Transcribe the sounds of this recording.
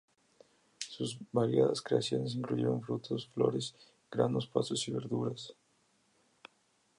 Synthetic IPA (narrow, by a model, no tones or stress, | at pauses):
suzβaɾjaðaskɾeasjo̞nes̬iŋkluʝeɾoɱfɾut̪ʰosflo̞ɾes | ɡ̥ɾandospasosiβe̞ɾðuɾas